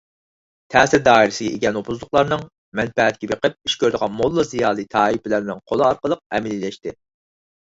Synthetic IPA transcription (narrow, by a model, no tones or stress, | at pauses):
t̪ʰɛːsɪɾd̪ɑːiɾɪsɪɡʲɛʔḛɡʲɛnopʰuzlˠʊqlˠɑɾnɨŋ | mɛnfɛɛt̪̚kʲɛbeqəp̚i̥ʃkʲøɾd̪əʁɑnmolˠːɨzijɑːlˠit̪ʰɑːipɪlæɾnɪŋqʰolˠɨɑɾqəlˠəq̚ɛ̰mɪlilɛʃt̪ɪ